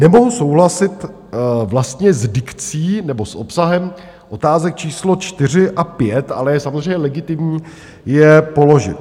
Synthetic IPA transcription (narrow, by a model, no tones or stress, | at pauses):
nɛmo̞ɦuso̞wɦlasɪt̪ | vlast̪ɲɛzdɪkt͡siːnɛbo̞sʔo̞psaɦɛm | ʔo̞t̪aːzɛk̚t͡ʃiːslo̞t͡ʃt̪ɪr̝ɪʔapjɛt̪ʔa̰lɛjɛsamozrejɲɛlɛɡɪt̪ɪmɲiː | jɛpo̞lo̞ʒɪ̰t̪